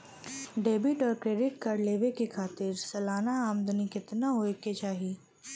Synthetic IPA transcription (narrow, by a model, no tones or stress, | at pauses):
ɖeːbɪʈɔːɾkɾeːɖɪʈkɐɾleːʋekekʰaːt̪ɪɾsɐlaːnaaːmd̪ʊnikɪt̪naɦoeket͡ʃaːɦi